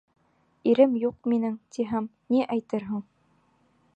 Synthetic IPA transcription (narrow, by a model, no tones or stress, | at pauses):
iɾɘmjuq̚minɘŋt̪iɦæm | niʔæjt̪ɤɾɦɤɴ